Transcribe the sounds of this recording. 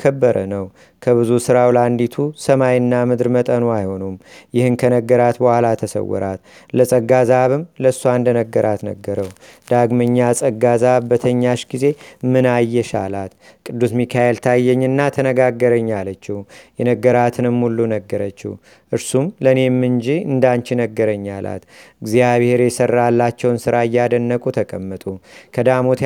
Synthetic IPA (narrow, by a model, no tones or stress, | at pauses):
kʰəbːəɾʔənəw | kʰəβɨzusɨɾawland̪it̪ʰusəmajɨnːamɨd̪ɾmət̪ʼənuajho̞numjɪhɨnkʰənəɡːəɾat̪bəhʷalat̪ʰəsə̰wːɔ̰ɾʔat̪ləsʼəɡazaβɨmləsːuand̪ənəɡːəɾʔat̪nə̰ɡːəɾəwd̪̥aɡməɲːasʼəɡazaβbət̪ʰəɲːaʃɡize̞mɨnajːɛʃa̰lat̪ | kʼɨd̪ːusmikʰajelt̪ʰajːɛɲːɨnːat̪ʰənəɡaɡːəɾəɲːalət͡ʃːɪhjɛnəɡːəɾat̪ʰɨnɨmːulːunəɡːəɾət͡ʃːḭh | ʔɨɾsumləne̞mːɨnd͡ʒiɨ̰nd̪ant͡ʃɪnəɡːəɾəɲːalʔa̰t̪ɨɡzijaβhe̞ɾjɛsərːalːat͡ʃːɛwnsɨɾaɨjːad̪ənːəkʼut̪ʰəkʼəmːət̪ʼukʰəd̪amot̪